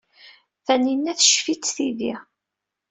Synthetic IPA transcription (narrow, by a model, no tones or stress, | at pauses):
θæninːæθʃfit͡sːθiði